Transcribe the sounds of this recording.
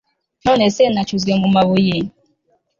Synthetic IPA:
nɔnesenat͡ʃuzɡemumaβoje

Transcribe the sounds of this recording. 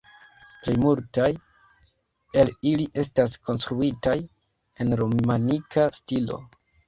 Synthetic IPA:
plejmultaj | e̞liliʔe̞stas̬kʰo̞nstɾuitaj | e̞nɾo̞manikʰastilo̞̰

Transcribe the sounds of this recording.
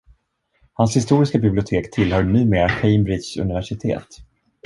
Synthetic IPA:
hanshɪst̪uːɾɪskabɪblɪʊt̪ʰeːkt̪ʰɪlhœːɳy̟ːmeːɾakʰeɪmbɾɪsɵ̰nɪvæʂɪt̪ʰḛːt̪

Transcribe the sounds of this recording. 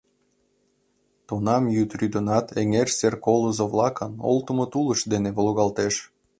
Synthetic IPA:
t̪unɑmjyt̪ryd̪ənɑt̪eŋerserkolozoβlˠɑkəno̰lt̪əmot̪uləʃd̪eneβolˠuɣɑlt̪eʃ

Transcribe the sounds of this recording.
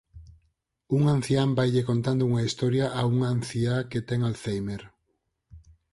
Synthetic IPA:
uŋãn̟θjambajʎekont̪and̪ouŋɐist̪ɔɾjaʔauŋan̟θiaket̪ɛŋalθejmeɾ

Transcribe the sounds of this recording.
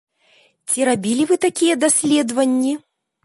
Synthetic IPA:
t͡sʲiɾabʲilʲivɨt̪akʲijɛd̪asʲlʲɛd̪vɐnʲːi

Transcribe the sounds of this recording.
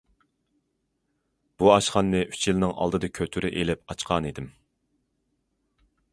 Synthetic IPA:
b̥uɑʃχɑnːɨʔy̥t͡ʃjilˠnɨŋʔɑ̰lˠd̪ɨd̪ɨkʲʰøt̪ʰyɾɪʔelɪp̚ɑt͡ʃqʰɑnid̪ɪm

